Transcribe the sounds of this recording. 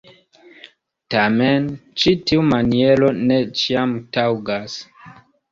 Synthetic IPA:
tament͡ʃitiumanielo̞ne̞t͡ʃiamtawɡas

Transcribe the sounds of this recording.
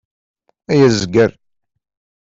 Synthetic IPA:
æjæzɡəɾ

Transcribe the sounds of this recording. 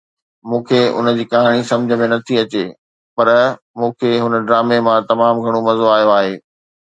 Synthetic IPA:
mũːkʰeʊ̰nəd͡ʑiːkaɦaːɽ̃isɐ̃md͡ʑʱəmẽnɐt̪ʰiɐt͡ɕe | pɐɾ | mũːkʰeɦʊnə̆ɖɾaːmemãt̪ɐmaːmɡʱɐɽ̃omɐzoaːɦijoaːɦeː

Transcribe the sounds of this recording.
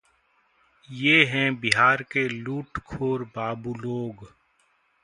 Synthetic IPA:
jeːɦɛ̃bɪɦaːɾkeluːʈkʰoːɾbaːbuloːɡ

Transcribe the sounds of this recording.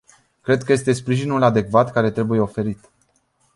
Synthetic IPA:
kɾe̞d̪̚kəje̞st̪e̞spɾiʒinulad̪e̞kvat̪kaɾe̞t̪ɾe̞buje̞o̞fe̞ɾit̪

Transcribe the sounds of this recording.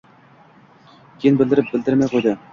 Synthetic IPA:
kʲʰijnbɘ̆lʲd̪ɘɾɘp̚bɘld̪ɘɾmæjqojd̪ɑ

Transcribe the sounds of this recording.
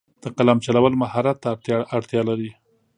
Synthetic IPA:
d̪̥əqalamt͡ʃalawəlmahɑɾat̪ːaaɽt̪jɑlaɾi

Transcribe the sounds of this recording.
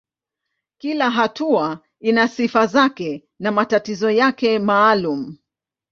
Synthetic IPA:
kilaɦatua | inasifazakɛ | namatatizɔjakɛmaːlum̩

